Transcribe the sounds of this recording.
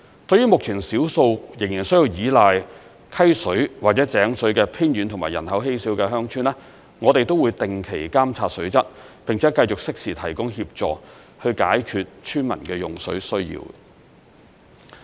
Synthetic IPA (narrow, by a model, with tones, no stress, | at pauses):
t̪ɵ˧ɥjːyː˥mʊ˨k̚t͡sʰi˨˩nsiː˨˥wso˧wjɪ˨˩ŋjiː˨˩nsɵ˥ɥji˧wjiː˨˧˥laː˨j | kʰɐ˥jsɵ˨˥ɥwaː˨˩t͡sɛː˨˥t͡sɛː˨˥ŋsɵ˨˥ɥkɛː˧pʰiː˥njy˨˧nt̪ʰʊ˨˩ŋmaː˨˩jɐ˨˩nhɐ˨˥wɦe˥jsiː˨˥wkɛː˧ɦœː˥ŋt͡ʃʰyː˥nɛː˥ | ŋɔː˨˧t̪e˨jt̪o˥wuː˨˧jt̪ɪ˨ŋkʰe˨˩jkaː˥mt͡sʰaː˧t̚sɵ˨˥ɥt͡sɐ˥t̚pɪ˨ŋt͡sʰɛː˨˥kɐ˧jt͡sʊ˨k̚sɪ˥k̚siː˨˩t̪ʰɐ˨˩jkʊ˥ŋhiː˧p̚t͡sɔː˨ | hɵ˧ɥkaː˨˥jkʰyː˧t̚t͡ʃʰyː˥nmɐ̰˨˩nkɛː˧jʊ˨˩ŋsɵ̰˨˥ɥsɵ˥ɥjḭː˧w